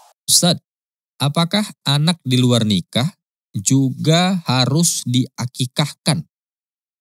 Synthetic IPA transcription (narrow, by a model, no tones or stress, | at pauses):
sat̪̚ | ʔapakahʔanak̚diluarnikah | d͡ʒuɡahaɾʊsdiakikahkan